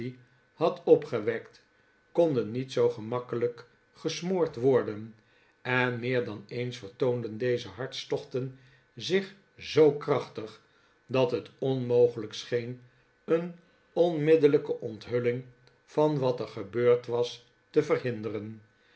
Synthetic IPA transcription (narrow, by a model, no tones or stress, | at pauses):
i | hɑtɔpχəʋɛkt | kɔndənːitsowχəmɑkələk | χəsmʊːɹtʋɔɹdən | ɛnmɪːɹdɑnejnsfəɹtowndəndejzəɦɑɹtstɔχtən | zɪχ | zowkrɑχtəχ | dɑtɦətɔnmowχələksχejn | ən | ɔnmɪdələkəʔɔntɦɵlɪŋ | v̥ɑnʋɑtəɹχəbøːɹtʋɑs | təvərɦɪndərən